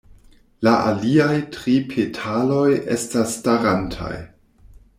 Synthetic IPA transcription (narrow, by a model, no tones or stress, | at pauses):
laʔa̰liajtɾipʰetʰalo̞jʔḛstasːtaɾantʰa̰j